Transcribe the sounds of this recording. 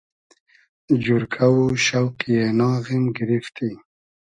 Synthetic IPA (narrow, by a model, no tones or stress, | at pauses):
d͡ʒuɾkʰawuʃawqijenɑːɣimɡɪɾift̪i